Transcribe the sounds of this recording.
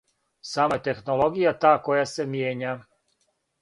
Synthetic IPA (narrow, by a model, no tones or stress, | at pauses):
saːmaet̪e̞xno̞lˠo̞ɡijat̪aːko̞jase̞mjeːɲa